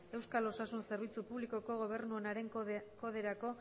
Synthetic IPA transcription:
e̞wskalo̞sasunse̞ɾβ̞it͡supuβliko̞ko̞ɣ̞o̞β̞e̞ɾnue̞naɾe̞ŋko̞ð̞e̞ɾako̞

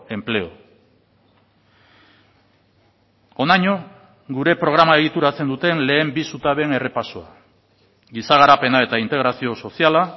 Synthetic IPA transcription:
e̞mple̞o̞̰ | o̞naɲo̞ | ɡuɾe̞pɾo̞ɣ̞ɾamae̞ɣ̞it̪uɾat͡se̞nd̪ut̪e̞nle̞ːmbisut̪aβe̞ne̞re̞pasoa̰ | ɡisaɣaɾape̞nae̞t̪aint̪e̞ɣ̞ɾasio̞so̞siala

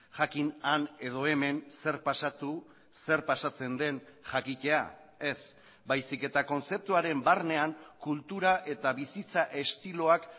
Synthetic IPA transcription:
ʝakinane̞ð̞o̞e̞me̞nse̞ɾpasat̪u | se̞ɾpasat͡se̞nd̪e̞nʝakice̞a̰ | e̞s | bajsike̞t̪ako̞nse̞p̚t̪uaɾe̞mbarne̞aŋkult̪uɾaʔe̞t̪aβisit͡saʔe̞st̪ilo̞ak

